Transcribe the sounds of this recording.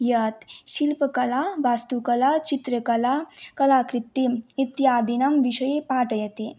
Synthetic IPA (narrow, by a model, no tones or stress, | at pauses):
jɐt̪ɕilpəkɐlaʋast̪ukɐlat͡ɕit̪ɾəkɐlakɐlakɾit̪ːiit̪jad̪inɐmʋiɕɐjepaːʈɐjɐt̪i